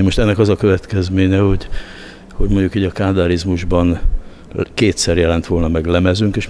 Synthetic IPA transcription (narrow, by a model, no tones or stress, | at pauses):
imo̞ʃt̪ɛnːɛkɒzɒkø̞vɛt̪kɛzmeːɲɛho̞ɟ | ho̞ɟmo̞ɲɟukiːɟɒkaːd̪aːɾizmuʒbɒn | keːt̪sɛrjɛlɛn̪t̪ʋo̞lnɒmɛɡlɛmɛzyŋkeːʃ